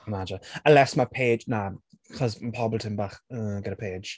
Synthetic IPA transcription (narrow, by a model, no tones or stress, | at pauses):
əmad͡ʒɪnəlɛsmapʰeːd͡ʒna | kʰɔzmpʰɔbəlˠtʰɪmbaːχəɡɛɾəpʰe̥ːd͡ʒ̥